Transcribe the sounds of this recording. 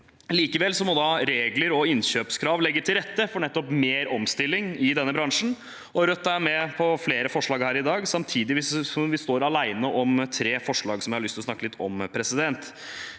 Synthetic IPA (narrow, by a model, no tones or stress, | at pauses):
liːkəʋɛlsɔmɔd̪ɑɾeːɡləɾɔɪnɕøːpskʰɾɑːʋlɛɡːət̪ʰɪlɾɛt̪ːəfɔɳɛt̪ːɔpmeːɾɔmst̪ɪlːɪŋɪd̪ɛnːəbɾɑŋʂn̩ | ʔɔɾœt̪ːæːmɛpʰɔfleːɾəfɔʂɭɑːɡhæːɾɪd̪ɑːɡsɑmt̪ʰiːd̪ɪʋɪssɔmʋɪst̪oːɾɑlæɪnəʔɔmt̪ʰɾeːfɔʂɭɑːɡsɔmjɪhɑɾɭʏst̪ɪɔsnɑkːəlɪt̪ʰːɔmpʰɾɛsɪd̪ɛnt̪